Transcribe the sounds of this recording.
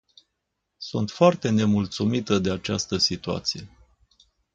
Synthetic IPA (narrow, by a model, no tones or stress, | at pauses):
sunt̪foart̪e̞ne̞mult̪sumit̪əd̪e̞at͡ʃast̪əsit̪ua̰t̪sije̞